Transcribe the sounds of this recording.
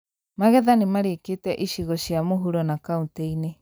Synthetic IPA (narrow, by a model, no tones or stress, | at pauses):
maɣɛðanimaɾiket̪ɛʔiʃiɣɔʃiamuɦuɾɔnakaũt̪einɛ